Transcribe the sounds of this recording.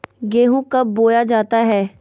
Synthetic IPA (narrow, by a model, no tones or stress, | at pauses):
ɡeːɦũkəbːoːjad͡ʒaːt̪aɦɛː